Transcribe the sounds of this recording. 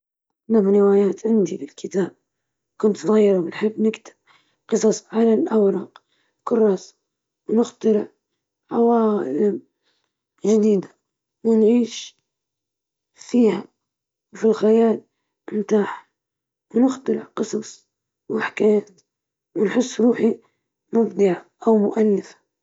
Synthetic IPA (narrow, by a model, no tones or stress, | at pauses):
mabnɪwaːjaːt̪ʕɪnd̪ibɪlkʰɪt̪aːb̚ | kʊnt̪ˤɣɑjːɪɾawɪnħɪbːnɪkt̪ɪ̥b̚ | qɨsˤɑsˤʕalalʔawɾˤɑːq | kʊrˤːɑːs | wnɪxt̪aɾɪʕ | ʕawɑ̰ːlam | ʒɪd̪iːd̪ḁ | wɪnʕiːʃ | fiːha | wfilxajaːl | ɪmt̪aːħ | wnɪxt̪aɾɪʕqɨsˤɑsˤ | wʔaħḁkajaːt̪ | wɪnħʊsːɾuːħi | mʊbd̪ˤɨʕaʔawmʊ̰ʔalːɪfḁ